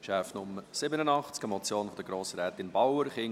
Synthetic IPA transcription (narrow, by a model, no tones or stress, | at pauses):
ʃæːfnʊməsɪbənənɑχt͡skəmɔt͡sjoːnfɔd̥̪əɡɾoːsəɾɛːt̪ɪnbawəɾχɪŋ